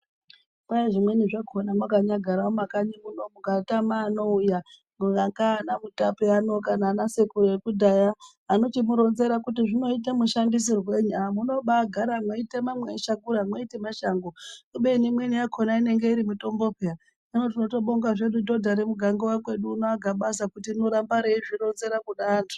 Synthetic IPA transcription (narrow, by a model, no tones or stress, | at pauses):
kajeʐimwe̞niʐakʰonamwakaɲaɡʱaɾaomakaɲimunomuɡatamaːno̞uja | muŋɡaŋɡaːnamutapeano̞kanaːnasekuɾoekudʱaja | ano̞timuɾo̞nze̞ɾakutiʐino̞it̬emuʃandis̬irwe̞ɲuamuno̞ɓaɡʱaɾamoitemamweʃakuɾamoitemaʃaŋɡouɓe̞nimweniakʰonaine̞ŋɡe̞iɾimuto̞mbo̞pea | ninot̬ino̞to̞ɓo̞ŋɡaʐe̞ɗudo̞dʱaɾemuɡʱaŋɡowakwe̞ɗuːnoaɡʱaɓas̬akutino̞ɾambaɾeiʐiɾo̞nze̞ɾakuɗaːndʰu̥